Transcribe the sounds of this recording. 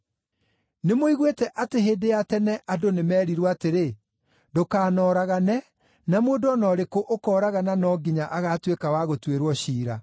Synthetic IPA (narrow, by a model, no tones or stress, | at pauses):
nemoiɣwetɛʔateɦeːdejatɛnɛʔadonemɛːɾiɾwateɾe | dokaːnɔːɾaɣanɛ | namoːdɔnɔɾekoʔokɔːɾaɣananɔɡiɲaʔaɣaːtwekawaɣotweɾwɔɕiːɾa